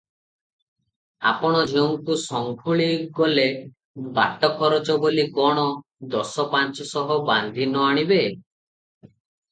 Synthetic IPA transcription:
a̰pɔɽ̃ɔd͡ʒʱewŋkusɔŋkʰuɭiɡɔle | ba̰ʈɔkʰɔɾɔt͡ʃɔboliɡɔɽ̃ɔ | d̪ɔsɔpant͡ʃɔsɔɦɔband̪ʱinɔaɽ̃ibe

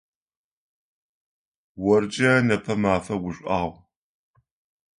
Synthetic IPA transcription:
wɔrd͡ʒʼɐnɐpʰɐmaːfɐwʊɕʷʼʔaːʁʷ

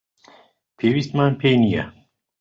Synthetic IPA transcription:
pʰewist̪maːnpʰejnija̰

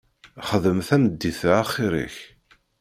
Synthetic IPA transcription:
χəðəmθænəd̪ːiθæχːiɾḭç

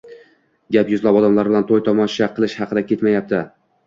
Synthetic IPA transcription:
ɡʲapjʊzlabɒd̪amlaɾbɪlant̪ʰojt̪ʰɒmɒnʃaqʰːɨlˠɪʃhɑqʰɨd̪akʲʰe̞t̪majap̚t̪ʰɪ

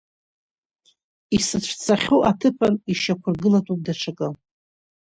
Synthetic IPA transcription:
isɨʈ͡ʂʷʰt͡sʰaχʲoʔatʰɨpʰaniʃakʷʰʊrɡɨlatʼup̚ʼdaʈ͡ʂʰakʼa

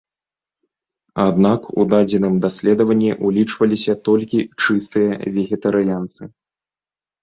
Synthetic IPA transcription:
ad̪nakṵd̪ad͡zʲɛnɨmd̪asʲlʲɛd̪ɐvɐnʲːiʔulʲit͡ʂvɐlʲisʲɐt̪ɔlʲkʲit͡ʂɨst̪ɨjɐvʲɛɣʲɛt̪ɐɾɨjant̪sɨ

